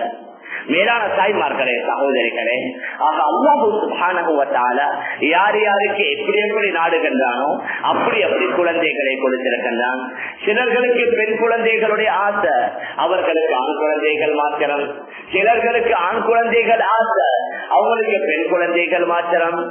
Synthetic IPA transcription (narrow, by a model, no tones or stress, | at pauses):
meːlaːnɐt̪aːjmaːɾɣɐɭeːsɐɣoːðɐɾɪɣɐɭeːaːɣaːɐlːaːɦɯsʊbhaːnɐɦɯʋɐt̪a̰ːlaːjaːɾɪjaːɾɯkːɯɛpːɐɽɪjɐpːɐɽinaːɽɯɣɪndraːnõːɐpːɐɽiɛpːɐɽikʊɻɐnd̪ɐɪɣɐɭɐɪkɔɽɯt̪ːɪɾɯkːɐndraːn | sɪlɐɾɣɐɭɯkːɯpɛnkʊɻɐnd̪ɐɪɣɐɭɯɽɐjɐaːsɐ | ɐʋɐɾɣɐɭɯkːɯaːɳkʊɻɐnd̪ɐɪɣɐɭmaːt̪ːɐɾɐm | sɪlɐɾɣɐɭɯkːɯaːɳkʊɻɐnd̪ɐɪɣɐɭaːsɐ | ɐʋɐŋɡɐɭɯkːɯpɛnkʊɻɐnd̪eɪɣɐɭmaːtːɐɾɐm